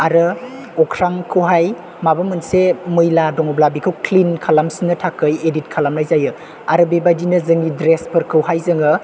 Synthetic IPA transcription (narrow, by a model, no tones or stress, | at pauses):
aɾɯ | ɔkʰɾaŋkʰɯwɦaj | mabamɯnsemɯjladɔŋɔblabikʰɯwkʰlinkʰalamsinːɯtʰakʰɯjedit̚kʰalamlajzajɯ | aɾɯbebajdinɯzɯŋidɾespʰɯɾkʰɯwɦajzɯŋɯ